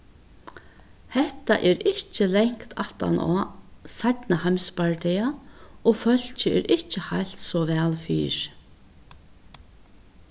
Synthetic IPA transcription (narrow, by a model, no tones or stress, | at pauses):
hɛht̪a̰ʔɛɾɪht͡ɕɪlɛŋ̥kt̪ʰaht̪a̰nʔɔ̰ːsajt̪nahajmspaɹʈ̪ɛjaɔɣfœl̥t͡ɕɪɛ̰ɾɪht͡ʃɪhajl̥t̪sɔvɛːlfḭːɹ̥